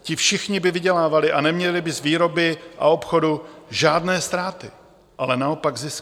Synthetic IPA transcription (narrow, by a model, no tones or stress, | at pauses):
cɪfʃɪxɲɪbɪvɪɟɛlaːvalɪʔanɛmɲɛlɪbɪzviːɾo̞bɪʔa̰o̞pxo̞duʒaːdnɛːst̪ɾaːt̪ɪ | ʔalɛnao̞paɡzɪsk